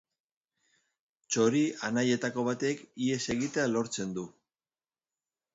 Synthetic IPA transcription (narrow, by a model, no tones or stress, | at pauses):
t͡ʃo̞ɾianaje̞t̪ako̞β̞at̪ekie̞se̞ɣit̪e̞alo̞ɾt͡se̞nd̪u